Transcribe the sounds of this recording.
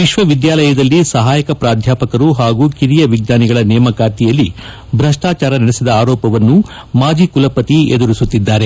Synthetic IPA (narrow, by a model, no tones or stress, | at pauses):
ʋiʃʋɐʋid̪jaːlɐjɐd̪ɐlːisɐɦaːjɐkɐpɾaːd̪ʱjaːpɐkɐɾuɦaːɡuːkiɾijɐʋiɡ̚naːniɡɐɭɐnɛːmɐkaːɾt̪ijɐlːi | bʱɾɐʂʈaːt͡ʃaːɾɐnɐɽesid̪ɐaːɾɔːpɐʋɐnːu | maːd͡ʒikulɐpɐt̪ied̪uɾisut̪ːid̪ːaːɾe̞